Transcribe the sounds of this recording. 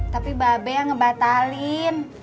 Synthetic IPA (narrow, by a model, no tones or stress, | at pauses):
t̪apibabɛjaŋəbat̪alɪn